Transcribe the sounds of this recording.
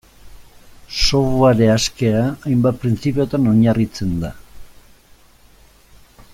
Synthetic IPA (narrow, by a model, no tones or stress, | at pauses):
so̞βuaɾe̞aske̞aːjmbat̪̚pɾint͡sipeo̞t̪ano̞ɲarit͡se̞nd̪a